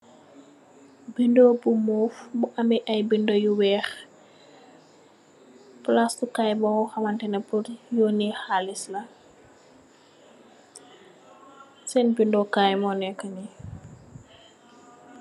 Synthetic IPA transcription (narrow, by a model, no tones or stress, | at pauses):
bindobumufbuʔɐmbɛʔɐjbindɔjuwɛːx | pulastukajbɔŋɔxɐmɐntɛnɐpuɾjoːnixalislɐ | sɛnbindɔkajmɔnɛkːɐni